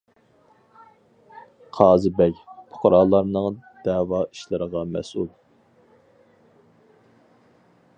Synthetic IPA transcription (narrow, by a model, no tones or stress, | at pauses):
qʰɑːzɨbɛkʲpʰo̥qʰʊɾɑːlˠɑɾnɨŋd̪̥ɛːwɑiʃlˠɨɾəʁɑmɛ̰sulˠ